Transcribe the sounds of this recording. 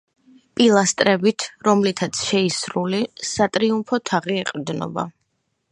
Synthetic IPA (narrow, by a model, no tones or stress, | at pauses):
pʼilˠast̪ʼɾɛbit̪ʰɾɔmlit̪ʰat̪sʰʃɛisɾulisat̪ʼɾiumpʰɔt̪ʰaʁiɛqʼvd̪nɔ̰ba̰